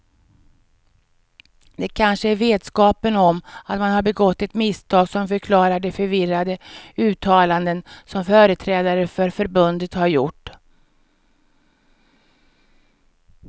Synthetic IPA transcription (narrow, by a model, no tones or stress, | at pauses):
d̪ɛkʰanʂəæɾveːd̪skɑːpənɔmat̪manhaɾbɛɡɔt̪ːɛt̪mɪst̪ʰɑːɡsɔmfœɾkʰlɑːɾaɖɛfœɾvɪrːad̪əʉ̟ːt̪ʰːɑːland̪ənsɔmfœːɾət̪ʰɾɛːd̪aɾəfœɾfœɾbɵnd̪ət̪haɾjʊʈː